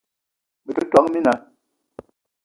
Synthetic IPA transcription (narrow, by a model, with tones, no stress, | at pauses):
mi˨kə˦ta˨˦ŋmi˦na˨